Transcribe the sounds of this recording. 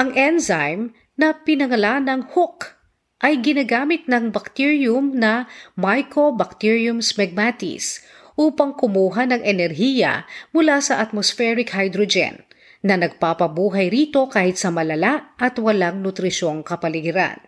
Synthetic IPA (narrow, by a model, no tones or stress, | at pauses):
ʔɐŋʔɛnzajm | nɐpɪnɐŋɐlanɐŋhʊk | ʔɐjɡɪnaɡaːmɪt̪̚nɐŋbɐk̚t̪iɹjʊmnɐmajko̞bɐk̚t̪iɹiʊmsmɛɡ̚mat̪ɪ̰s | ʔuːpɐŋkʊmuːɦɐnɐŋɛnɛɾɦijɐ̰mʊlasɐʔɐt̪̚mosfɛɾɪkhajd̪ɾod͡ʒɛ̰nː | ɐnɐɡ̚papɐbuːɦɐjɾiːt̪o̞kaːhɪt̪sɐmɐlɐlaʔʔɐt̪wɐlaŋnʊt̪ɾɪʃo̞ŋkɐpɐlɪɡɪɾa̰n